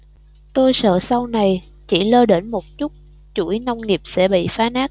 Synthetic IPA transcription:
t̪o˧jsə̰ː˧˨sa˧wna˨˩j | t͡ɕi˧˩ləː˧ɗe˧˥nmo˨˩t̚t͡ɕu˦˥t̚ | t͡ɕu˧˩na˧wŋ͡mŋi˨˩əp̚sɛ̰˧˥ɓḭ˧˨faː˨˦naː˦˥k̚

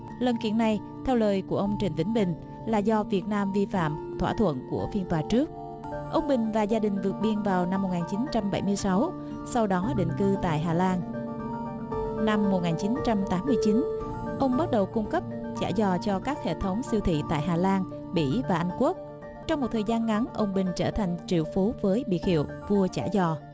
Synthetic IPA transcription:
lə̰˨˩nkḭ˧˩˨ənːa˨˩j | t̪ʰɛ˧wləː˨˩jku˧˩əʔə˧wŋ͡mt͡ɕï˨˩ŋ̟vï˧˥˦ŋ̟ɓï˨˩ŋ̟ | laː˨˩zɔ˧vi˨˩ət̚naː˧mvi˧fa̰ː˧˨mt̪ʰwaː˧˩t̪ʰwə̰˧˨nku˧˩əfi˧ənt̪waː˨˩t͡ɕɨ˦˥ək̚ | ʔə˧wŋ͡mɓï˨˩ŋ̟vaː˨˩zaː˧ɗï˨˩ŋ̟vɨ˨˩ət̚ɓi˧ənvaː˨˩wna˧mːo˨˩t̚ŋaː˨˩nt͡ɕi˨˦nt͡ɕa˧mɓə˧˩jmɨ˧əjsa˨˦w | sa˧wɗɔ˨˦ɗḭ˧˨ŋ̟kɨ˧t̪a̰ː˧˨jɦaː˨˩laː˧n | na˧mːo˨˩t̚ŋaː˨˩nt͡ɕi˨˦nt͡ɕa˧mt̪aː˨˦mːɨ˧əjt͡ɕi˨˦n | ʔə˧wŋ͡mɓə˦˥t̚ɗə˨˩wkʊ˧ŋ͡mkə˦˥p̚t͡ɕa̰ː˧˩zɔ˨˩t͡ɕɔ˧kaː˦˥k̚hḛ˧˨t̪ʰə˨˦wŋ͡msi˧wt̪ʰḭ˧˨t̪a̰ː˧˨jɦaː˨˩laː˧n | ɓḭ˧˩˨vaː˨˩ʔa˧jŋ̟ku˦˥ək̚ | t͡ɕɔ˧wŋ͡mmo˨˩t̪ʰːjzaː˧nŋa˨˦nʔə˧wŋ͡mɓï˨˩ŋ̟t͡ɕəː˧˩t̪ʰa˨˩jŋ̟t͡ɕḭ˧˨əwfu˨˦vəː˨˦jɓḭ˨˩ət̚hḭ˧˨əwvu˧ət͡ɕa̰ː˧˩zɔ˧˩

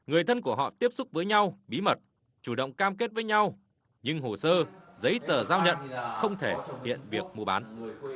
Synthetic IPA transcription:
ŋɨ˨˩əjt̪ʰə˧nku˧˩əɦɔ̰˧˨t̪i˦˥əp̚sʊ˦˥k͡p̚vəː˨˦jɲa˧wɓi˨˦mə˨˩t̚ | t͡ɕu˧˩ɗə̰˧˨wŋ͡mkaː˧mke˦˥t̚vəː˨˦jɲa˧w | ɲɨ˧ŋɦo˨˩səː˧zə˨˦jt̪əː˨˩zaː˧wɲə̰˧˨nxə˧wŋ͡mt̪ʰe˧˩hḭ˧˨ənvi˨˩ək̚mu˧ɓa̰ː˨˦n

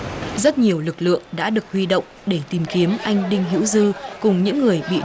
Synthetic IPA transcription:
zə˦˥t̚ɲi˨˩əwlɨ˨˩k̚lɨ̰˧˨əŋɗa̰ː˧˥ɗɨ˨˩ək̚hwi˧ɗo̰˧˨wŋ͡mɗe˧˩t̪i˨˩mki˨˦əmʔa˧jŋ̟ɗï˧ŋ̟ɦḭ˧˥wzɨ˧kʊ˨˩ŋ͡mɲɨ̰˧˥ŋːɨ˨˩əjɓḭ˧˨

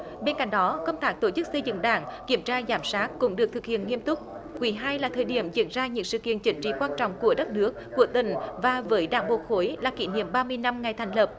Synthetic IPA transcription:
ɓe˧nka̰˧˨ŋ̟ɗɔ˨˦kə˧wŋ͡mt̪aː˦˥k̚t̪o˧˩t͡ɕɨ˦˥k̚sə˧jzɨ̰˧˨ŋɗa̰ː˧˩ŋki˧˩əmt͡ɕaː˧zaː˨˦msaː˦˥t̚kʊ̰˧˥ŋ͡mɗɨ˨˩ək̚t̪ɨ˨˩k̚hḭ˧˨ənŋi˧əmt̪ʊ˦˥t̚ | kwi˨˦ɦaː˧jlaː˨˩t̪ʰəː˨˩jɗi˧˩əmzḭ˧˥ənzaː˧ɲɨ̰˧˥ŋsɨ̰˧˨kḭ˧˨ənt͡ɕï˧˩˦ŋ̟t͡ɕḭ˧˥kwaː˧nt͡ɕɔ̰˧˨wŋ͡mku˧˩əɗə˦˥t̚nɨ˦˥ək̚ːu˧˩ət̪ï˨˩ŋ̟vaː˨˩vəː˨˦jɗa̰ː˧˩ŋɓo˨˩t̚xo˨˦jlaː˨˩kḭ˧˥nḭ˧˨əmɓaː˧mɨ˧əjna˧mŋa˨˩jt̪ʰŋ̟lə˨˩p̚

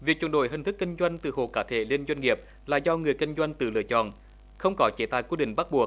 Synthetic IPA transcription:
vi˨˩k̚t͡ɕwnɗo̰˧˨˦jɦï̟˨˩t̪ʰɨ˦˥kːi˧ŋ̟zwa˧jŋ̟t̪ɨ̰˨˩ɦo̰˧˨kaː˧˩t̪ʰe˧˦li˧ənzwa˧jŋ̟ŋi˨˩əp̚ | la̰ː˧˨zɔ˧ŋɨ˨˩əjkï˧ŋ̟zwa˧jŋt̪ɨ̰˨˩lɨ̰˧˨ət͡ɕɔ̰˧˨n | xə˧wŋ͡mkɔ˨˦t͡ɕe˨˦t̪a̰ː˧˨jkwi˧ɗḭ̈˧˨ŋ̟ɓa˦˥k̚ɓu˨˩ək̚

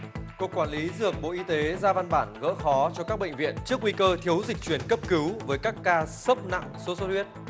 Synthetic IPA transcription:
ku˨˩əkːwaː˧˩nli˨˦zɨ˨˩ək̚ɓo̰˧˨ʔi˧t̪e˨˦zaː˧va˧nɓaː˧˩nɣə̰˧˥xɔ˨˦t͡ɕɔ˧kaː˦˥k̚ɓə̰˧˨ŋ̟vḭ˧˨ənt͡ɕɨ˦˥ək̚ŋwi˧kəː˧t̪ʰi˨˦əwzï˨˩k̟̚t͡ɕwi˧˩ənkə˦˥p̚kɨ˨˦wvəː˨˦jkaː˦˥kːaː˧sə˦˥p̚na̰˧˨ŋso˨˦so˦˥t̚hwi˦˥ət̚

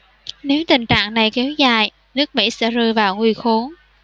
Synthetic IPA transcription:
ne˨˦wt̪ï˨˩ŋ̟t͡ɕa̰ː˧˨ŋna˨˩jkɛ˨˦wzaː˨˩j | nɨ˦˥ək̚mḭ˧˥sɛ̰˧˥zɨ˧əvaː˨˩wŋwi˨˧˩xo˨˦n

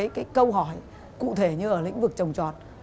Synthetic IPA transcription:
jkaː˨˦jkə˧wɦɔ˧˩j | kṵ˧˨t̪ʰe˧˩ɲɨ˧ʔəː˧˩lḭ˧˥ŋ̟vɨ˨˩k̚t͡ɕə˨˩wŋ͡mt͡ɕɔ˨˩t̚

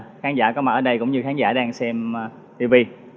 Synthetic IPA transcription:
xaː˨˦nzaː˧˩kɔ˨˦ma˨˩ʔəː˨˩ɗə˧jkʊ̰˧˥wŋ͡mɲɨ˧xaː˨˦nza̰ː˧˩ɗaː˧ŋsɛ˧m | t̪i˧vi˧

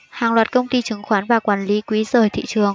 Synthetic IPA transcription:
haː˨˩ŋlwaː˨˩t̚kə˧wŋ͡mt̪i˧t͡ɕɨ˨˩˦ŋxwaː˨˦nvaː˨˩kwaː˧˩nli˨˦kwi˨˦zəː˨˩jt̪ʰḭ˧˨t͡ɕɨ˨˩əŋ

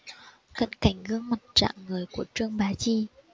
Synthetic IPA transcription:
kə̰˧˥nka˧˩jŋ̟ɣɨ˧əŋmə˨˩t̚t͡ɕa̰ː˧˨ŋːɨ˨˩əjku˧˩ət͡ɕɨ˧əŋɓaː˨˦t͡ɕi˧

